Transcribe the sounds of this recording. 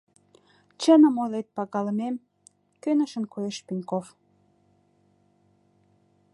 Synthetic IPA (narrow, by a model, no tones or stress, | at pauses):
t͡ɕənə̆molet̪̚pɑɣɑləmem | kønəʃənkojeʃpinkof